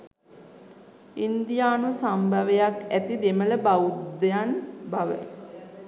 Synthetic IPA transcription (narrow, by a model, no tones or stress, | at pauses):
ind̪ijaːnusambʱaʋejakæt̪id̪emələbaud̪ejanbaʋə̰